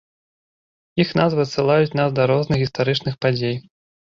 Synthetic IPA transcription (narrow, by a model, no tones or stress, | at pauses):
jixnazvɨɐt̪sɨlˠajut͡sʲnasd̪ɐɾɔznɨxɣʲist̪aɾɨt͡ʂnɨxpad͡zʲej